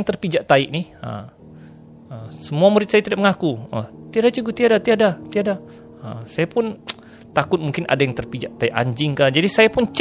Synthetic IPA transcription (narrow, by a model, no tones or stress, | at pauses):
ŋt̪ərpid͡ʒaʔt̪aɪʔnɪhə̰m | əsəmuamuɾɪt̪sajat̪idaʔ̚məŋakuət̪iadat͡ʃuɡʊt̪iadat̪iadat̪iada | əmsajapʊn | t̪akʊt̪̚muŋkɪnʔa̰dajaŋt̪ərpid͡ʒaʔ̚t̪aɪʔa̰ɲd͡ʒɪŋkad͡ʒadisajapʊnt͡ʃ